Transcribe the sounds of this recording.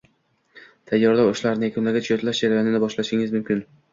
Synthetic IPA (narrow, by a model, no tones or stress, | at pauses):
t̪ʰajːɒɾd̪aʊʃlaɾnɪjakʲʰʊnlaɡʲat͡ʃʰʊot̪laʃd͡ʒaɾajɒnɪnɪbɒʃlaʃɪŋɪzmʊmkʲʰɪn